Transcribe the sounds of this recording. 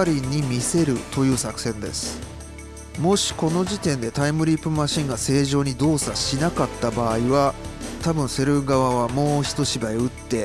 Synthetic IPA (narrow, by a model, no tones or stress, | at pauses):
ɾʲiɲ̟ːimʲise̞ɾɯ̟t̪o̞jɯ̟ːsakɯ̟̥sẽ̞nd̪e̞̰sɨ̥ | mo̞ɕi̥ko̞no̞ʑit̪ẽ̞nd̪e̞t̪aimɯ̟ɾʲipɯ̟maɕĩŋɡase̞ːʑo̞ːɲ̟id̪o̞ːsaɕinakat̪ːabaːiβat̪abɯ̟̃ɰ̃se̞ɾɯ̟ɡaβaβamo̞ːçi̥t̪o̞ɕibaiɯ̟t̪ːe̞